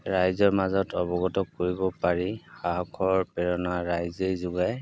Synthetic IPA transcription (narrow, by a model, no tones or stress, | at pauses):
ɹajzɔɹmazɔtɔbɔɡɔtɔkːoɹibɔpaɹixaɦɔkʰɔɹpɛɹɔnaɹajzejzuɡaj